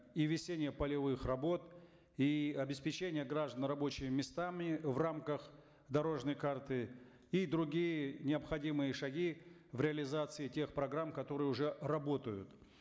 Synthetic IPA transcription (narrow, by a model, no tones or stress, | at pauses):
ivʲɪsʲenʲɪjəpəlʲɪvɨxrɐbo̞t̪ | iɐbʲɪspʲɪt͡ɕenʲɪjəɡɾaʐd̪ənrɐbo̞t͡ɕɪmʲɪmʲɪst̪amʲɪvramkəx | d̪ɐɾo̞ʐnəjkart̪ɨ | id̪ɾʊɡʲijənʲɪəpxɐdʲimɨjəʂɐɡʲi | vɾʲɪɐlʲɪzat̪sɨɪtʲe̞xpɾɐɡɾamkɐt̪o̞ɾɨjəʊʐɛrɐbo̞t̪əjʊt̪